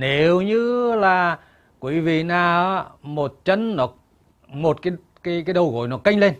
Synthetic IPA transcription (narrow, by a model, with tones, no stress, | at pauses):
ne˨˦wɲɨ˧laː˨˩ | kwi˧˨˦vḭ˨naː˨˩˦mo˨˩t̚t͡ɕə˧˥nːɔ˨˦ | mo˨˩t̚kaː˨˦ | kaː˨˦jkaː˨˦jɗə˨˩wɣo̰˧˨jnɔ˨˦ka˧jŋ̟le˧n